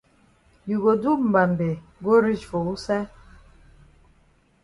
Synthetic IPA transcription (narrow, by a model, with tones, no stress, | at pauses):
ju˨ɣo˨du˦m̩˨ba˨m˨be˨ɡo˦ɾi˦˨t͡ʃfo˨u˦sɛ˦